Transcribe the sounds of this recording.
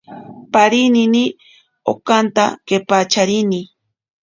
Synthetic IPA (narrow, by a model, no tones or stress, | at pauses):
paɾinini | o̰kant̪a̰kepat͡ʃaɾini